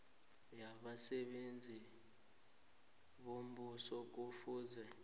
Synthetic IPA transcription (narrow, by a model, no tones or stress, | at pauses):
jaɓasɛɓend͡zʱi | ɓom̩ɓusɔk̬ufuːzɛ